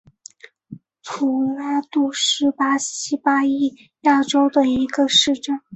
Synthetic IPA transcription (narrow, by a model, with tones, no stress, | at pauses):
pʰu˨˩la˥t̪u˥˩ʂɻ̩˥pa˥ɕi˥pa˥i˥˩ | ja˥˩ʈ͡ʂo˥ʊd̪ə˨i˧˥ɡə˧ʂɻ̩˥˧ʈ͡ʂə˥˩n